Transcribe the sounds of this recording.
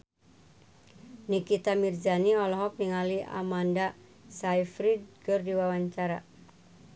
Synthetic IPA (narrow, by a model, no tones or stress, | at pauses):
nikit̪amird͡ʒaniɔlɔɦɔk̚niŋaliʔa̰manda | sajfɾid̚kɨrdiwawaɲt͡ʃaɾa